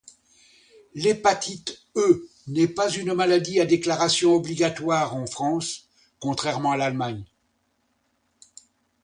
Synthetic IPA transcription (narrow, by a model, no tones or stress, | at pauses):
lepat̪it̪ | ø | nɛpazynmalad̪iad̪eklaʁasjɔ̃ɔbliɡat̪waːʁɑ̃fχɑ̃s | kɔ̃t̪χɛʁmɑ̃alalmaɲ